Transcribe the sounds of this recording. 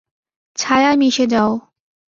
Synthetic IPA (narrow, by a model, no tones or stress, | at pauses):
t͡ɕʰajamiɕʰed͡ʑao